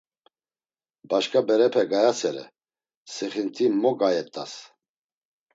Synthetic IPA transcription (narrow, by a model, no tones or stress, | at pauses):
baʃkʰabɛɾɛpʰɛɡajasɛɾɛ̰ | sɛχint̪ʰimɔɡajɛt̪ʼa̰s